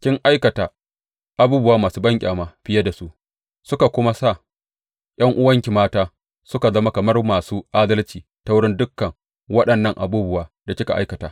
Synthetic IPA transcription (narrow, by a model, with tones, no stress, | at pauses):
kʲɪ˦ŋʔa˦jkɐ˨taː˨ | ʔa˨buː˦bʊ˦waː˦maː˨suː˦bɐ˦ŋkʲʼa̰ː˨maː˨ɸɪ˦ja˦da˨su˦ʔ | sʊ˦ka˨kʷʊ˦ma˦sa˦˨ | jʔɐ˦ŋʔʊ˦wɐ˦ŋkʲi˨maː˦taː˦ | sʊ˦ka˨zɐ˦ma˦kɐ˨mɐ˦rmaː˨suː˦ʔaː˦dɐ˦lt͡ʃiː˨ | ta˦wʊ˦ɽɪ˦ndʊ˦kːɐ˨ŋ | wɐ˦ɗɐ˨nːɐ˦ŋʔa̰˨buː˦bʊ˨waː˨da˨kʲɪ˦ka˨ʔa˦jkɐ˨taː˨